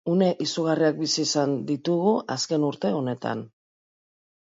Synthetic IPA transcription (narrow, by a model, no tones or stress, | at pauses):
une̞ʔisuɣ̞ariak̚bisiːsand̪it̪uɣuʔaske̞nuɾt̪e̞o̞ne̞t̪a̰n